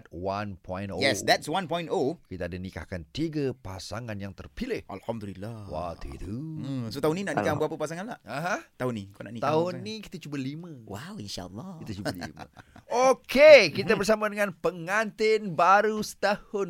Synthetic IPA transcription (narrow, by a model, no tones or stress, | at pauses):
t̪̚wanpʰɔ̃j̃nojɛsd̪ɛtswãnpɔj̃ntokit̪aːdanika̰hkant̪iɡəpasaŋanjaŋt̪ərpilɪhʔa̰lhamd̪ulilːawa̰t̪ʰḭt̪uəsot̪aɦʊninaʔnikabəapəpasaŋanlaʔaɦãt̪aʊnikana̰ʔnikt̪aʊnːikit̪at͡ʃubəliməwawinʃa̰ə̰lːɑkit̪at͡ʃubalḭmə̰okekit̪abərs̬amadəŋãnpəŋant̪ɪnbaɾusə̥t̪ahʊn